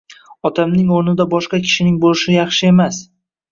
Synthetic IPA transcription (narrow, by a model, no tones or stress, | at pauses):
ɒt̪ʰamnɪŋoɾnɪd̪abɒʃqɑkʲʰɪ̥ʃɪnɪŋbolɪʃɪjɑχʃɪe̞mas